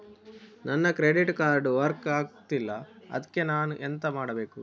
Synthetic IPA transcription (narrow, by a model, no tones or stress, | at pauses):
nɐnːɐkɾeɖiʈkaːɾɖʋɐɾkaːɡt̪ilːɐɐ̰d̪ɐkːe̞naːnuʔent̪ɐmaːɽɐbe̞ːku